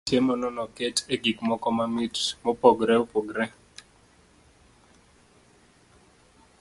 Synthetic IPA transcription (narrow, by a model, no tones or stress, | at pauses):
tjemɔnɔnɔketʰeɡikmɔkɔmamitmɔpoɡɾɛopoɡɾɛ